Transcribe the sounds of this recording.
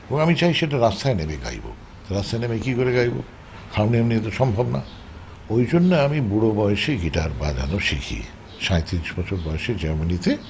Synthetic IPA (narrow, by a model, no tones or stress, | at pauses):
ebõŋamit͡ɕajʃeʈ̬aɾast̪ʰaenebeɡa̰jbo̰ | t̪oɾast̪ʰaenebekikoɾeɡajbo̰ | kʰawniaminiet̪̬oʃɔmbʱobna̰ | ojd͡ʑonːeamibuɽobɔjeʃeɡiʈaɾba̰d͡ʑa̰noʃḭkʰḭ | ʃaet̪iniʃbɔt͡ɕʰoɾbɔeʃed͡ʑɛɾmanit̪e